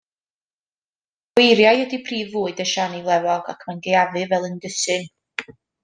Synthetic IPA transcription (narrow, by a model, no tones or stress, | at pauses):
wejɾjajɔdipʰriːvːuːɨdəʃanivlˠɛvɔɡakʰmanɡejavɨvɛlˠəndəsɨn